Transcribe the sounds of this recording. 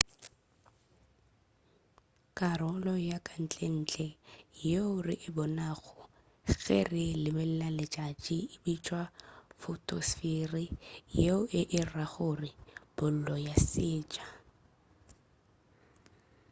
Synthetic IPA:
kʼarɔlɔjakʼan̩t͡ɬʼen̩ːt͡ɬʼɛjeʊrɪʔɪbɔnaɣɔ | ɣḛrɪlɪmɛl̩lalɪt͡ʃʼat͡ʃʼɪɪbit͡ʃʼwafʊtʼɔsfirijeʊʔɪʔɪraɣʊrɪb̥ʊl̩lɔjasɪːt͡ʃʼḁ

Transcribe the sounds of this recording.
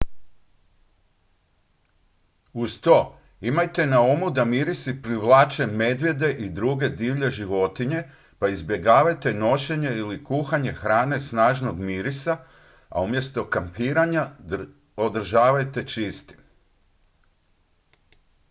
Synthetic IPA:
ust̪o̞ | imajt̪e̞naomud̪amiɾisipɾiʋlˠaːt͡ʃe̞me̞d̪ʋje̞d̪e̞ʔid̪ɾuɡe̞d̪iːʋʎe̞ʒiʋo̞t̪iɲe̞ | paizbje̞ɡaːʋajt̪e̞no̞ʃe̞ɲe̞ilikuːxaɲe̞xɾaːne̞snaːʒno̞ɡmiɾisa | a̰umje̞st̪o̞kampiːɾaɲa | od̪r̩ʒaːʋajt̪e̞t͡ʃist̪i̥

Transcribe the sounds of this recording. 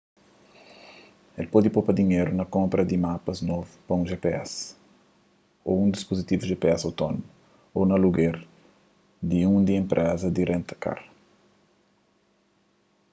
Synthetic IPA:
elpod̪ipopɐd̪iɲeɾunɐkõmpɾɐd̪imapɐznovupɐũʒepeɛs | oũnd̪ispozit̪ivuʒepeɛsawt̪onomu | onɐluɡeɾ | d̪iũnd̪iẽmpɾʔɛzɐd̪iɾʔẽnt̪ɐ̥ka̰ɾ

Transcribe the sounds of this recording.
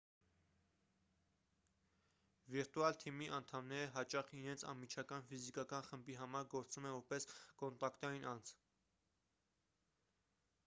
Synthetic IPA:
viɾt̪uɑlt̪ʰimiʔɑnt̪ʰɑmnɛɾəɦɑt͡ʃɑχinɛnt͡sʰɑ̰nmːit͡ʃʰɑkɑnfizikɑkɑnχəmbiɦɑmɑɾɡɔɾt͡sumɛvɔɾpɛskɔnt̪ɑkt̪ɑjinʔɑnt͡sʰ

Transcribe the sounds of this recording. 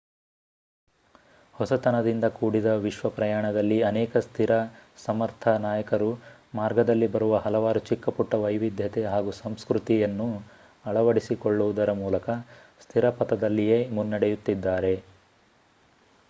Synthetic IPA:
hɔsɐt̪ɐnɐd̪ind̪ɐkuːɽid̪ɐʋiʃʋɐpɾɐjaːɳɐd̪ɐlːiɐnɛːkɐst̪ʰiɾɐsɐmɐɾt̪ʰɐnaːjɐkɐɾumaːɾɡɐd̪ɐlːibɐɾuʋɐɦɐlɐʋaːɾut͡ʃikːɐpuʈːɐʋɐjʋid̪ʱjɐt̪eɦaːɡusɐmskɾut̪ijɐnːu | ɐɭɐʋɐɽisikoɭːuʋud̪ɐɾɐmuːlɐkɐst̪ʰiɾɐpɐt̪ɐd̪ɐlːijeːmunːɐɽejut̪ːid̪ːaːɾe̞

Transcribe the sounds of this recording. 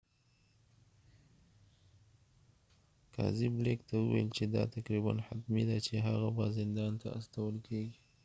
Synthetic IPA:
kɑ̰ziblekt̪awəwa̰jlt͡ʃed̪ɑ̰t̪akɾiba̰nħat̪mid̪at͡ʃeɦaɣabazɪnd̪ɑnt̪a̰a̰st̪awəlkeɡi

